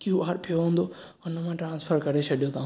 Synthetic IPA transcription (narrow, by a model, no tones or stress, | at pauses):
kiubaːɾpʰijoɦũːnd̪o | ʊnəmãʈɾãːnsfʰəɾkɐɾet͡ɕʰɐɗijot̪ʰãː